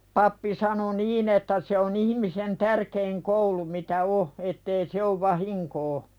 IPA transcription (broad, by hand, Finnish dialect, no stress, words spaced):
pɑpːi sɑno niːn etːæ se on ihĭmisen tærkeiŋ koulu mitæ o etːei se oʋ ʋɑhiŋkoː